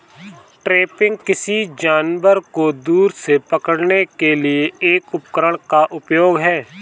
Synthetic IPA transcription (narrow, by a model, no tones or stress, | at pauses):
ʈɾeːpɪ̃ŋɡ̚kɪsid͡ʒaːnʋəɾkod̪uːɾsepɐkəɽnekelieeːkʊp̚kəɾəɽ̃kaʔʊpjoːɡɦɛː